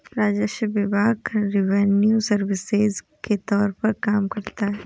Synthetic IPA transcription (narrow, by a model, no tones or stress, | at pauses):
ɾaːd͡ʒəʃəbɪbaːɡɾɪʋɛnjusɐɾʋɪsɪz | ket̪ɔːɾpɐɾkaːmkɐɾt̪aɦɛː